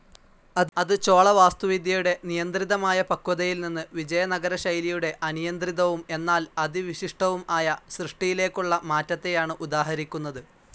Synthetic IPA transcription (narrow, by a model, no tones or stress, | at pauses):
ɐɐðɨt͡ɕo̞ːɭɐʋaːst̪uʋid̪jɐjuɽe̞nijɐnd̪riðɐmaːjɐpɐkːuðɐjilninːɨʋid͡ʑɐjɐnɐɡɐɾɐɕɐjlijuɽe̞ʔɐnijɐnd̪riðɐʋume̞nːaːlɐðiʋiɕiʂʈɐʋumaːjɐsrɨʂʈijile̞ːkːuɭːɐmaːtːɐt̪ːe̞jaːɳɨʔud̪aːɦɐɾikʲːunːɐðɨ